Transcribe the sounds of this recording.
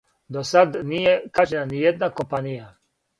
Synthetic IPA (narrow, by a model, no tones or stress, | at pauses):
d̪osad̪nijekaʒenanijed̪nako̞mpanija